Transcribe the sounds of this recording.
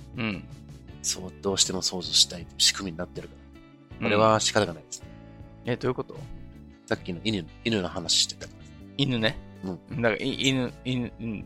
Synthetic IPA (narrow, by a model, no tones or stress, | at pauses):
ɯ̟̃ɴso̞ːd̪̥o̞ːɕi̥t̪e̞mo̞so̞ːzoɕi̥t̪ait̪ːɕi̥kɯ̟mʲiɲinat̪ːe̞ɾɯ̟kaɾa | oɾe̞βaɕi̥kaɾaɡanaid̪esɨ̥n | ed̪o̞ji̟ko̞t̪o̞ | sakʲːino̞inɯ̟inɯ̟nahanaɕi̥ɕt̪e̥t̪ːakʲimasinɯ̟neɯ̟̃ɴɯ̃d̪aka̰iʔinɯ̟inɨ̟ɯ̃ɴ